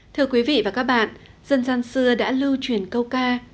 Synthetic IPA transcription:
t̪ʰɨ˧əkwi˨˦vḭ˧˨vaː˨˩kaː˦˥k̚ɓa̰ː˧˨n | z̥ə˧nzaː˧nsɨ˧əɗa̰ː˧˥lɨ˧wt͡ɕwi˨˩ənkə˧wkaː˧

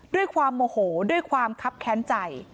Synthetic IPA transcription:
du˥˩əjkʰwaː˧mːoː˧hoː˩˦du˥˩əjkʰwaː˧mkʰa˦˥p̚kʰɛː˦˥nt͡ɕa˨˩j

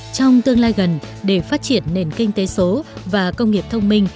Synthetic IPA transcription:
t͡ɕɔ˧wŋ͡mt̪ɨ˧əŋlaː˧jɣə˨˩n | ɗe˧˩faː˦˥t̚t͡ɕi˧˩ənːe˨˩nkï˧ŋ̟t̪e˨˦so˨˦vaː˨˩kə˧wŋ͡mŋi˨˩əp̚t̪ʰə˧wŋ͡mmï˧ŋ̟

